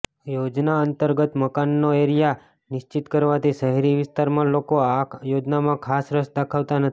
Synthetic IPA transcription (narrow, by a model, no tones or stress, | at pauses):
jod͡ʒnaənt̪əɾɡət̪məkanːoeɾija | nɪʃt͡ʃɪt̪kəɾʋat̪iʃəɦɾiʋɪst̪aɾmãlokoajod͡ʒnamãkʰasɾəsd̪əkʰaʋt̪anət̪